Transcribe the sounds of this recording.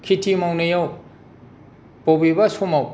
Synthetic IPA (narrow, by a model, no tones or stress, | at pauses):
kʰitʰimawnejaw | pobibasomaw